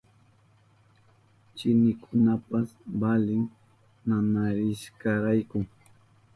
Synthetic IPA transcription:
t͡ʃɪnɪkʰʊnapasbalɪŋ | nanaɾɪʃkaɾajkʊ

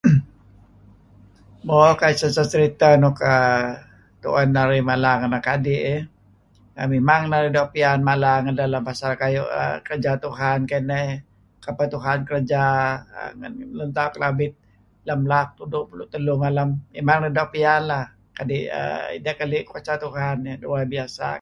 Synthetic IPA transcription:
mbokaisasat͡ʃəɾit̪anɔka | t̪ṵʔanːaɾimalaŋanlakadiʔ | amimaŋnaɾidapianmalaŋadalampasalkajṵʔə̰kəɾəd͡ʒat̪uɦankanə | kapat̪uɦankəɾəd͡ʒa̰ | ŋa̰nlənt̪akəlabɪt̪̚ | lamlak̚t̪udʊʔpulʊʔt̪əlumalamːemaŋnədaʔpianlah | kadiʔə̰ḭdakaliʔkuat͡ʃat̪uɦanduwabiasa̰

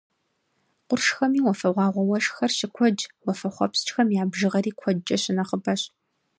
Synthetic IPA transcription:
qʷʊrʂxɐmiːwɔfɐʁʷɑːʁʷɔwɐʂxɐrɕɪkʷʰɔd͡ʒwɔfɐχʷɔpst͡ʃʼxɐmjaːbʒɨʁɐɾiːkʷʰɔd͡ʒʼɐɕɪnɐχəbɐɕ

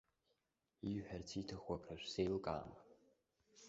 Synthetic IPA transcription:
iɥħartʰitʰaχwakʰraʃʷsejlkʼa̰ːm

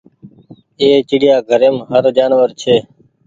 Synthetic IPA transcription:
eːt͡ʃɪɽjaːɡʱəɾeːmɦəɾd͡ʒaːnʋəɾt͡ʃʰeː

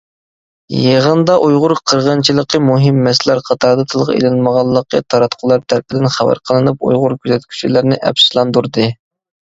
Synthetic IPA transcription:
jeʁənd̪ɑʔujʁʊɾqʰəɾʁənt͡ʃʰilˠəqʰəmuɦɪmːɛslæɾqʰɑt̪ʰɑɾd̪ɑt̪ʰɨlˠʁɑ̰ḛlɪnməʁɑlˠːəqʰət̪ʰɑɾɑt̪qʰʊlˠɑɾt̪ʰæɾpʰɪd̪ɪnχæwæ̰ɾqʰəlˠɨnup̚ṵjʁʊɾkʲʰyzɛt̪̚kʲʰy̥t͡ʃʰilɪɾnɪʔɛ̰pslˠɑnd̪uɾd̪ɨ

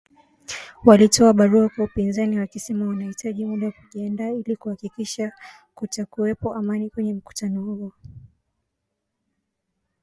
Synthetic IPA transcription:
walitʰɔaɓaɾuakwaupinzaniwakisɛmawanahitʰaʄimuɗawkuʄiandaːilikuhakikiʃa | kutakuwɛpɔʔamanikwɛɲɛm̩ku̥tanɔhuɔ

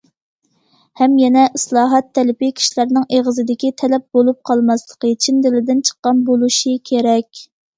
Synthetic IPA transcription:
hɛmjɛnɛʔɪslˠɑːɦɑt̪ʰːɛlɪpɪkʲʰi̥ʃilæɾnɪŋʔeʁəzɨd̪ɪkʲit̪ʰɛlɛp̚bolˠup̚qʰɑlˠmɑslˠəqət͡ʃʰind̪ɪlɪd̪ɪnt͡ʃʰə̥qːɑnbolˠuʃikʲʰeɾɛkʲ

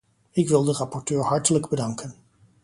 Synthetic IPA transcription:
ɪkʋɪlˠdərɑpɔɹtøːɹɦɑɹtələɡbədɑŋkən

